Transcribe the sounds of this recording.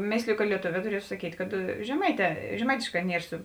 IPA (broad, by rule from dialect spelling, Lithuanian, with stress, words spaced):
ˈmʲeːsʲlʲɪjʊ kɐ lʲiɛˈtoːʋʲɛː tʊˈrʲiɛtʊ sɐˈkʲiːtʲ kɐt ʒʲɛˈmɐɪˌtʲɛː ʒʲɛˈmɐɪtʲeːʃˌkɑː ˈnʲiɛr sʊ